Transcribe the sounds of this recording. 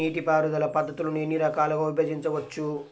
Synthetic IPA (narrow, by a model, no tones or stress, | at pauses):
iːʈipaːɾud̪ɐlɐpɐd̪ʱːɐt̪ulunenːiɾɐkaːlɐɡɐːʋibeːd͡ʒiɲt͡ʃɐʋɐt͡ʃːu